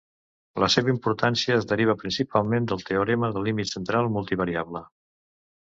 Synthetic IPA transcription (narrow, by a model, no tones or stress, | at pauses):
ləseβəimpuɾt̪ansiəːzðəɾiβ̞əpɾinsipalˠmend̪əlˠt̪eoɾɛməðəlːimit̪sənt̪ɾalˠmulˠt̪iβəɾiaβlə